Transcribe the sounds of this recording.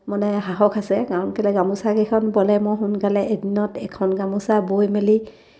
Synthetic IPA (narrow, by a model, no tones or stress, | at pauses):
mɔnɛɦaɦɔkʰasɛkaɹɔnpɛlɛɡamusakekʰɔnbɔlɛmɔɦʊnkalɛʔedinɔtɛkʰɔnɡamusabojmeli